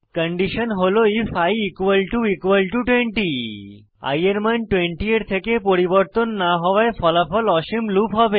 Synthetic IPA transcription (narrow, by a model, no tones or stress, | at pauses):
kəɳɖiʃənɦoloifajikwəlʈuikwəlʈuʈweɳʈi | a̰jeɾmanʈweɳʈieʈt̪ʰekepoɾiboɾt̪onːaɦɔwaefɔlapɔlɔʃimlupɦɔbe